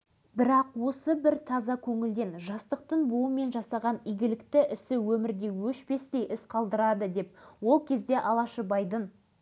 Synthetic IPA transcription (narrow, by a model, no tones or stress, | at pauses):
bɪɾɑqwo̞səbɪɾt̪ʰɑzɑkʲʰɵŋɪld̪e̞nʒɑst̪əq̚t̪əɴbuwəme̞nʒɑsɑʁɑnijɡʲɪlɪkt̪ɪʔɪsɪwɵmɪɾd̪e̞jwɵʃpe̞st̪e̞jʔɪsqʰɑlˠd̪əɾɑd̪əd̪e̞p̚wo̞lˠkʲʰe̞zd̪e̞ʔɑlˠɑʃəbɑjd̪ən